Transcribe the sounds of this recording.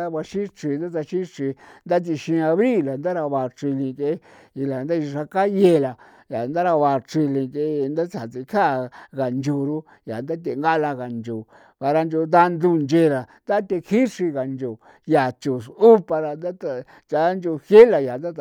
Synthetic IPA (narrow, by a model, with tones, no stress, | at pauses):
a˦βa˧ʃĩ˦t͡ʃi˧˨nd̪a˦t̪̬a˧ʃĩ˦ʂi˧nd̪a˦t̪̬i˧ʃĩ˧a˧βɾi˦˨la˨nd̪a˦ɾa˧βa˧˨t͡ʃi˧lĩ˧ke˧˦ | i˧la˨nd̪a˦˧ʂa˧ka˦je˧˨˧la˨ | ja˨nd̪a˦ɾa˧βa˧˨t͡ʃi˧lĩ˧ke˧˦˧nd̪a˦t͡sa˨t͡si˧kʰa˦˨ɣa˨nd͡ʒu˧˨ɾu˦ | ja˨nd̪a˦t̪e˧ŋɡa˦la˧ɣa˨nd͡ʒo˨ | βa˧ɾa˧nd͡ʒo˧nd̪a˦˧nd̪u˦˧nd͡ʒe˧ɾa˨nd̪a˦t̪e˧kʰi˦ʂi˧ɣa˨nd͡ʒo˨ | ja˨t͡ʃu˨su˦pa˧ɾa˧nd̪a˦t̪a˧ | t͡ʃa˧˦nd͡ʒo˧hje˦la˧ja˨nd̪a˦˧˨